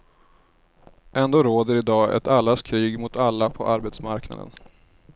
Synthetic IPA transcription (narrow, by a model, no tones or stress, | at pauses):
ʔɛnd̪oːɾoːd̪əɾɪd̪ɑːɛ̰t̪alːaskʰɾiːɡmʊt̪alːapʰɔʔaɾbɛːt̪smaɾkna̰d̪ə̰n